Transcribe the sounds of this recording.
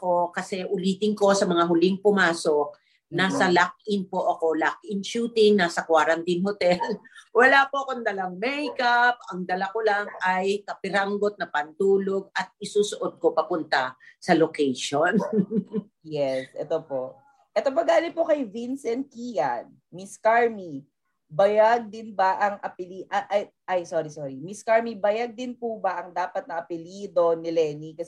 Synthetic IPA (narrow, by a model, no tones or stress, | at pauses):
ɐko̞kɐsɛʔʊliːt̪ɪŋko̞sɐmɐŋaɦʊlɪŋpʊmaːsok̚ | naːsɐlak̚ʔɪnpo̞ʔɐko̞lak̚ʔɪnʃuːt̪ɪŋnaːsɐkwaːɾɐnt̪ɪnɦot̪ɛlwɐlaːpo̞ʔɐkond̪ɐlaŋmɛjkap̚ɐŋd̪ɐlakolaŋɐjkɐpɪɾaŋɡot̪̚nɐpɐnt̪uːlo̞ɡ̚ɐt̪̚ɪsuːsoʔod̪̚ko̞pɐpʊnt̪ɐsɐlokejʃon | jɛsʔɛ̰t̪opoʔ | ʔɛt̪op̬oɡaːlɪnpo̞kɐjvinsɛnt̪̚kijɐ̰n | miskaɹmi | bɐjaɡ̚d̪ɪnbɐʔɐŋʔɐpɪliʔɐʔɐjʔɐjsoɾisoːɹimɪskaɹmibɐjaɡ̚d̪ɪnpubɐʔɐŋd̪aːpɐt̪̚nɐʔɐpɪliːd̪o̞nɪlɛːnikɐs